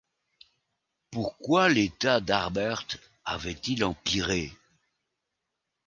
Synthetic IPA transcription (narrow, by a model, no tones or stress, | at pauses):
puʁkwalet̪ad̪aʁbɛʁt̪ | a̰vɛt̪ilɑ̃piʁe